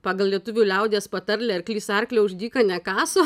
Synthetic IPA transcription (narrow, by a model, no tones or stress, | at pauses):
pɑːɡɐlˠlʲiɛt̪ʊʋʲulʲɛʊd̪ʲeːspɐt̪ɐɾʲlʲɛɪɾklʲiːsɐrklʲɛʊʒʲd̪ʲiːkɐnʲɛkɑːsoː